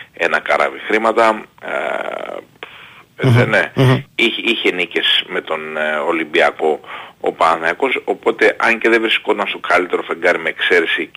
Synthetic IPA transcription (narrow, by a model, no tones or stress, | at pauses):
e̞nɐkɐɾɐ̰vixɾimɐt̪ɐ̰ | eneiçiçe̞nice̞sme̞t̪o̞nolimbiɐko̞o̰pɐɐθɐɐko̞so̞po̞t̪e̞ʔɐɲce̞ðevɾisko̞t̪ɐnst̪o̞kɐlit̪e̞ɾofe̞ŋɡɐɾimeːkse̞ɾesi